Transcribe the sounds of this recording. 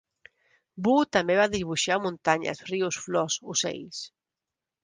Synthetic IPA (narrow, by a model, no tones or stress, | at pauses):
but̪ambeβaðiβuʃamũnt̪aɲa̰sriusflɔsusḛjs